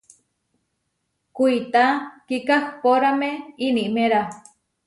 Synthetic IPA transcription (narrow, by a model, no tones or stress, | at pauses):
kuit̪akikahpoɾameiniʔmeɾa